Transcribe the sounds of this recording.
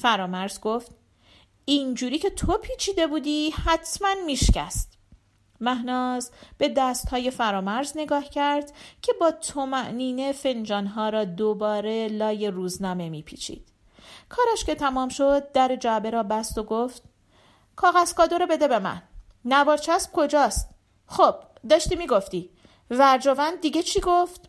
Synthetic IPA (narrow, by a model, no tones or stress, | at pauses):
fæɾɒːmæɾzɡo̞ft̪ | ind͡ʒuːɾiːcʰe̞t̪ʰo̞pʰiːt͡ʃʰiːd̪e̞buːd̪iːhæt̪ʰmænmiːʃcʰæ̰st̪ | mæɦnɒːzb̥e̞d̪æst̪hɒːje̞fæɾɒːmæɾzne̞ɡɒːhcʰæɾd̪̥cʰe̞bɒːt̪ʰomæʔniːne̞fe̞nd͡ʒɒːnɦɒːɾɒːd̪obɒːɾe̞lɒːje̞ruːznɒːme̞miːpʰḭːt͡ʃʰḭːd̪̥ | kʰɒːɾæʃce̞t̪ʰæmɒːmʃo̞d̪̚ːæɾe̞d͡ʒæbe̞ɾɒːbæst̪o̞ɡoft̪ | kʰɒːɣæz̥kɒːd̪oɾebe̞d̪e̞be̞mæ̰nː | æbɒːɾt͡ʃʰæsb̥̚kʰo̞d͡ʒɒːst̪ | χob̥ | d̪ɒːʃt̪iːmiɡo̞ft̪iː | væɾd͡ʒovænd̪̚dːiɟe̞t͡ʃʰiːɡoft̪